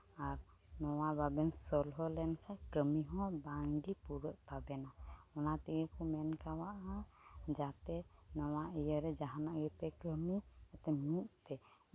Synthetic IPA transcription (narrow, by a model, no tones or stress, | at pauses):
aɾnɔwababɛnsɔlɦɔlɛnkʰakəmiɦɔ̃bãŋɡipuɾəʔt̪abɛna | ɔnat̪iɡekumɛnkawaʔɦɔ̃ | d͡ʒat̪ɛnɔwaijəɾɛd͡ʒaɦanaʔɡɛt̪ɛkəmiɛt̪ɛmũʔt̪ɛ